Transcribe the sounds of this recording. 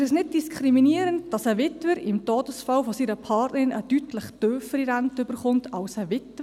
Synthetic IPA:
ɛsnɪt̚d̥iskʰχɾiminiːɾənd̚d̥ɑsəʋɪtʋəɾɪmtoːdəsfɑlfosiːɾəpʰɑːtnəɾɪnʔə̰d̥ytləχtøːfəɾiɾantʏbəɾχʊntʰɑlsəʋɪtə

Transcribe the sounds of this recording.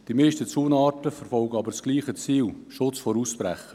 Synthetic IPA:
d̥imeɪʃtət͡suːnɑːtəfəɾfɔlɡəɑbəɾsɡ̥liːχət͡siːl | ʃʊt͡sfoɾuspɾæ̰χə

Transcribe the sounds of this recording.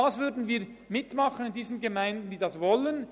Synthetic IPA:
aːsvʏɐdn̩viːʁ | mɪtmɑχənɪndiːzən̩ɡemaɪndn̩diːdɑsvɔlən

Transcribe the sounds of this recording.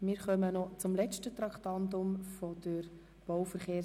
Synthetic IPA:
mɪːɾχœmənɔt͡sʊmlɛt͡ʃtət̪ɾɑkt̪ɑnt̪ʊmfɔd̪̥əɾ | b̥ɔwfəɾχeː

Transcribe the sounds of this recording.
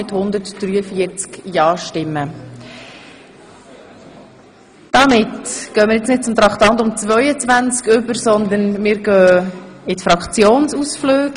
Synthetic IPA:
ɪthʊnd̪əɾtd̥ɾyːəfiːəɾt͡skjɑːʃtɪmːə | d̪̥ɑmɪt̪ɡ̥œːmɪːɾjɛt͡snɪt̚t͡sʊmt̪ɾɑkt̪ɑnt̪ʊmt͡svœʏət͡svænt͡skʏbəɾsɔnd̪ənmɪːɾɡœːɪtfɾɑkχt͡sjoːnsusfløːk

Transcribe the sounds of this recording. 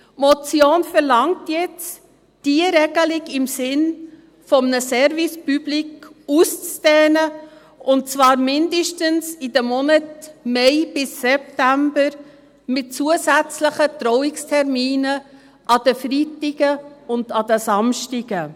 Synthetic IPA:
mɔt͡sjoːnfəɾlɑŋtjɛt͡s | d̥iəɾɛɡəlɪɡɪmsɪn | fɔmnəsɛɾvispyb̥likust͡sd̥ɛːnə | ʔʊnt̚t͡svɑːɾmɪndəʃtənsɪd̥əmɔnətmɛɪb̥ɪsːɛp̚tæmbəɾ | mɪt̚t͡suəzæt͡sləχədɾɔwɪkstʰɛɾmiːnə | ʔɑd̥əfɾitɪɡ̥əʊnd̥ɑdəsɑmʃtɪɡ̥ə

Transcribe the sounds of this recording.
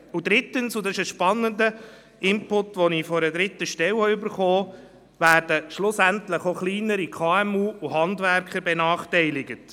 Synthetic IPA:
ud̪ɾɪtənsʊd̪ɑɪʃəʃpɑnːəndə | ɪmpʊtʋɔnifɔɾəd̪ɾɪt̪ːəʃtɛwəʏbəɾχɔː | væːɾdəʃlʊsæntləχoχliːnəɾikʰɑːɛmuːuɦɑndvæɾkχəɾbɛnɑːχtɛɪlɪɡət

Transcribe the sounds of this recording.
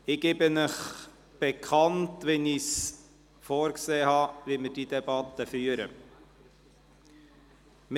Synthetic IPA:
ɪɡebənəχ | b̥ɛkʰχɑntʋɛnis | foːɾkseːhɑːʋiməɾd̥id̥̪ɛbɑtəfyːəɾə̰ | m

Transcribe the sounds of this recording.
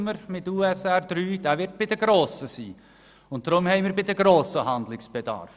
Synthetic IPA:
məɾmɪtuːɛsɛːd̪̥ɾyːd̥æːʋɪɾt̚b̥ɪdəɡɾoːsəsiː | ʊnt̚dɾʊmhɛɪmɪːɾbɪdəɡɾoːsəhɑnd̪lɪksb̥ɛdɑ̰ɾf

